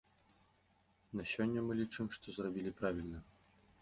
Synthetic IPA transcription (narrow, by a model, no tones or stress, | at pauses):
nɐsʲɔnʲːɐmɨlʲit͡ʂɨmʂt̪ɔzrɔbʲilʲipɾavʲilʲnɐ